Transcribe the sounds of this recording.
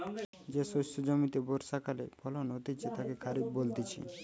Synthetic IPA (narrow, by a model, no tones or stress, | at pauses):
d͡ʑesosod͡ʑomit̪eboɾsakalepʰɔlonɦot̪it͡ɕʰet̪akekʰaɾibbolt̪it͡ɕʰḭ